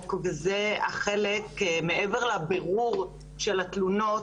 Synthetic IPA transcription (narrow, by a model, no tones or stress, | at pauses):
kvezeaχelekmeʔeveʁlabeʁuʁ | ʃelat̪luno̞